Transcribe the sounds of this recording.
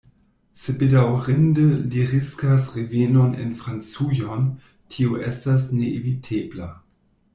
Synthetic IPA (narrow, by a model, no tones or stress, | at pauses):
sebedawʁendəliʁiskasʁevenonḛnfʁant͡sujon | tʰioʔɛstasneʔevitʰeːbla